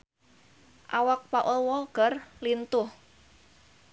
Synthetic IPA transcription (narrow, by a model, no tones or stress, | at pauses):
ʔawak̚paʔʊlwɔɡ̥ərlint̪ʊh